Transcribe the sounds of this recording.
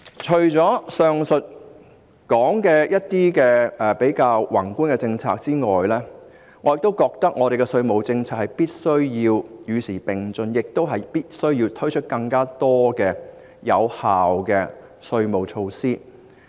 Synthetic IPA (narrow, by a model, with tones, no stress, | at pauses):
t͡ʃʰɵ˨˩ɥt͡sɔː˨˥sœː˨˧ŋsɵ˨t̚ | kɔː˨˥ŋkɛː˧jɐ˥t̚t̪iː˥kɛː˧ʔɛː˨˩pe˨˥jkaː˧wwɐ˨˩ŋkuː˥nkɛ˧t͡sɪ˧ŋt͡sʰa̰ː˧k̚t͡siː˥ŋɔ̰ː˨jlɛː˥ | ŋɔː˨˧jɪ˨k̚t̪o˥wkɔː˧k̚t̪ɐ˥k̚ŋɔː˨˧ɾe˨jkɛ˧sɵ˧ɥmo˨wt͡sɪ˧ŋt͡sʰaː˧k̚hɐ˨jpiː˥t̚sɵ˥ɥjiː˧wjyː˨˧siː˨˩pɪ˨˩ŋt͡sɵ˧njɪ˨k̚t̪o˥wɦɐ˨˩jpiː˥t̚sɵ˥ɥjiː˧wt̪ʰɵ˥ɥt͡ʃʰɵ˥t̚kɐ˧ŋkaː˥t̪ɔː˥kɛː˧ | jɐ˨˧whaː˨wkɛː˧sɵ˧ɥmo˨wt͡ʃʰo˧wsiː˥